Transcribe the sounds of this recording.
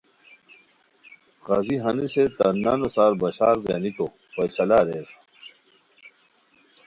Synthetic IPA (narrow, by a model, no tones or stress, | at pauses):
ɣɐziɦɐniset̪ɐnɐnosaːɾbɐɕaːɾɡ̪enit̪o | pɐjsɐlaɾeːs